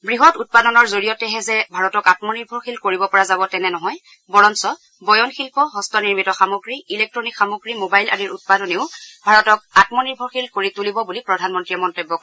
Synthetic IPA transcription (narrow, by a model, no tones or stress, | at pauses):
bɹiɦɔtut̚padɔnɔɹzoɹijɔtɛɦɛzɛbʱaɹɔtɔkatmɔniɹbʱɔɹxilkoɹibɔpɔɹazabɔtɛnɛnɔɦɔj | bɔɹɔnsɔ | bɔjɔnxilpɔɦɔstɔniɹmitɔxamoɡɹiilek̚tɹɔnikxamoɡɹimobajla̰diɹut̚padɔneʊbʱaɹɔtɔkatmɔniɹbʱɔɹxilkoɹitulibɔbulipɹɔdʱanmɔntɹijɛmɔntojbːɔkɔ